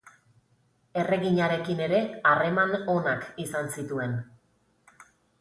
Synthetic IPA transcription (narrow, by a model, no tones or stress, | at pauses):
e̞re̞ɣiɲaɾe̞kine̞ɾe̞are̞mano̞nakisansit̪ue̞n